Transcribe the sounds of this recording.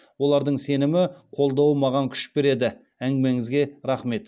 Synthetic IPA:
wo̞lˠɑɾd̪əɴse̞nɪmɪqʰo̞lˠd̪ɑwəmɑʁɑŋkʲʰʏ̥ʃbe̞ɾe̞d̪ɪ | æŋɡʲɪme̞ŋɪzɡʲe̞ɾɑχme̞t̪

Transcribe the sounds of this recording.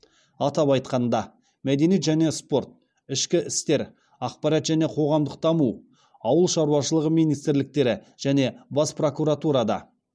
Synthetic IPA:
ɑt̪ɑpɑjt̪qɑnd̪ɑ | mæd̪e̞nijet̪ʒæne̞spo̞ɾt̪̚ | ɪʃkʲɪʔɪst̪e̞ɾ | ɑqpɑɾɑt̪ʒæne̞qʰo̞ʁɑmd̪əq̚t̪ʰɑmu | ɑwəlˠʃɑɾuɑʃəlˠəʁəmijnijst̪ɪɾlɪk̚t̪e̞ɾɪ | ʒ̥æne̞bɑspro̞kuɾat̪uɾɑd̪ɑ̰

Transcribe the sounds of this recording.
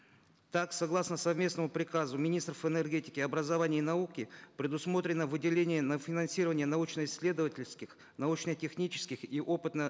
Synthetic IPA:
t̪aksɐɡlˠasnəsɐvmʲe̞snəmʊpɾʲɪkazʊmʲɪnʲist̪rəfɨnerɡʲetʲɪkʲɪɐbɾəzɐvanʲɪːnɐukʲɪpɾʲɪd̪ʊsmo̞t̪ɾʲɪnːəvɨdʲɪlʲenʲɪjənəfʲɪnɐnsʲiɾəvənʲɪjənɐut͡ɕnəɪsʲːlʲe̞d̪əvətʲɪlʲskʲɪx | nɐut͡ɕnətʲɪxnʲit͡ɕɪ̥skʲɪxiʔo̞pɨt̪nə

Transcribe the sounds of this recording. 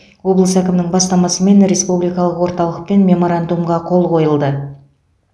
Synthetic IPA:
wo̞blˠəsækʲɪmnɪŋbɑst̪ɑmɑsəme̞nɾe̞spublijkɑlˠəqwo̞ɾt̪ɑlˠəq̚pe̞nmʲe̞mo̞ɾand̪umʁɑqʰo̞lˠqʰo̞jəlˠd̪ə

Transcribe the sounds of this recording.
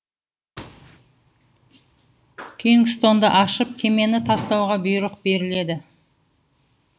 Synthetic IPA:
kʲʰiŋɡst̪o̞nd̪əʔɑʃəp̚kʲʰe̞me̞nɪt̪ʰɑst̪ɑwʁɑbʊjɾəq̚be̞ɾɪle̞d̪ɪ

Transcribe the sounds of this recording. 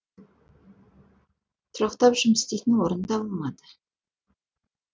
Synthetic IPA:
t̪ʰʊɾɑqt̪ɑpʒʏməst̪ejt̪ɪnwoɾənd̪ɑbolˠmɑd̪ə̥

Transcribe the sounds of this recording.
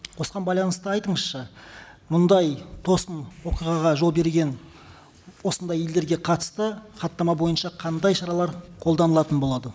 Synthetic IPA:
qʰo̞sqɑnbɑjlˠɑnəst̪əɑjt̪əɴəsʃəmʊnd̪ɑjt̪ʰo̞sənwo̞qijʁɑʁɑʒo̞lˠbe̞ɾɡʲe̞n | wo̞sənd̪ɑjeld̪e̞ɾɡʲe̞qʰɑt̪ə̥st̪əχɑt̪ːɑmɑbo̞jənʃɑqʰɑnd̪ɑjʃɑɾɑlˠɑɾqʰo̞lˠd̪ɑnəlˠɑt̪ənbo̞lˠɑd̪ə

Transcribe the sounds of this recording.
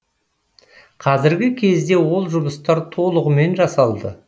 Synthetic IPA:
qʰɑzɪɾɡʲɪkʲʰe̞zd̪e̞wo̞lˠʒʊməst̪ɑɾt̪ʰo̞lˠəʁəme̞nʒɑsɑlˠd̪ə

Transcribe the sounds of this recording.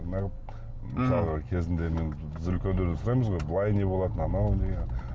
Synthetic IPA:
nɑʁəp̚ | msɑlˠʁəkʲʰe̞zɪnd̪eme̞nbɪzʏlkʲe̞nd̪ed̪ensʊɾɑjməzʁo̞jbəlˠɑjne̞bolˠɑt̪ənɑnɑwnd̪eɡʲen

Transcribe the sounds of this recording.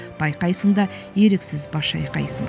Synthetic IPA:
b̥ɑjqɑjsəɴd̪ɑ | je̞ɾeksɪzbɑʃɑ̰jqɑ̰jsəɴ

